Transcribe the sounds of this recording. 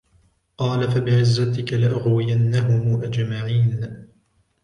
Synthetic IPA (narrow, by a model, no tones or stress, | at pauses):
qɑːlafabɪʕɪzːat̪ɪkalɪʔaɣwɪjanːaɦʊmuːʔad͡ʒmaʕiːn